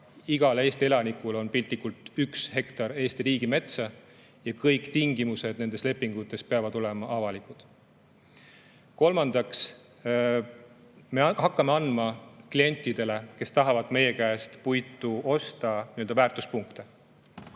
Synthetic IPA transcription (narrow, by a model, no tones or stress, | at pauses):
iɡ̥ɑle̞ːst̪ie̞lɑnikulo̞npilʲt̪likːˑult̪ˑykshe̞kt̪ɑɾe̞ːst̪iɾiːɡ̥ime̞t̪sɑ | jɑkɤjkˑt̪iŋɡ̥imuse̞d̪̥ne̞nd̪esle̞pːˑiŋɡ̥ut̪ːˑe̞speɑvɑd̪o̞le̞mɑʔɑvɑlikˑud̪̥ | ko̞lmɑnd̪̥ɑks | mehɑkːˑɑmeɑnd̪mɑklie̞nʲt̪ːˑid̪̥e̞le̞ke̞st̪ɑɦɑvɑd̪̥me̞je̞kæːst̪pujt̪ːˑuo̞st̪ɑniøld̪ɑvæːrt̪ˑuspuŋkt̪e